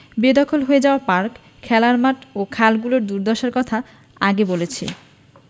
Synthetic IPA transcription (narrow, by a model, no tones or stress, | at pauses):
bed̪ɔkʰolɦoed͡ʑaoapaɾkʰː | ɛlaɾmaʈokʰalɡuloɾd̪uɾd̪ɔʃaɾkɔt̪ʰa | aɡebolet͡ɕʰḛ